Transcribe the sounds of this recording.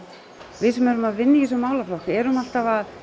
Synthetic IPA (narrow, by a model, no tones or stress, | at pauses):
vɪðsɛmɛɾʏmaðvɪnːɪis̬ɔmaːwlaflɔhkɛɾʏmal̥t̪avað